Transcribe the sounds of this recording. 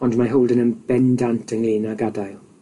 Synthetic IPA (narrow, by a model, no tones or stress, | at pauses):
ɔndmaɦowlˠdənənb̥ɛndantʰəŋliːnaɡadajlˠ